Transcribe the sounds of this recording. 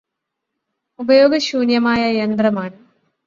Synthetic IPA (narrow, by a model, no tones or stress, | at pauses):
ubɐjo̞ːɡɐɕuːnjɐmaːjɐjend̪rɐmaːɳɨ